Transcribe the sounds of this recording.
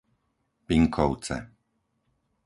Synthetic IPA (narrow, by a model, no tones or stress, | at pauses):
piŋkʰɔʊt͡sɛ̰